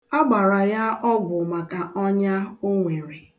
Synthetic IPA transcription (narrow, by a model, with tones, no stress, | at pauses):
a˦ɡ͡ba˨ɾa˨ja˦ʔɔ˦ɡʊ˨ma˨ka˨ʔɔ˦ɲa˦ʊ˦ŋʷe˨ɾe˨